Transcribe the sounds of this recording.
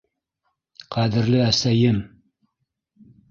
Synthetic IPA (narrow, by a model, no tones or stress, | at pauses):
qʰæd̪ɘ̆ɾlɪæsæjɘm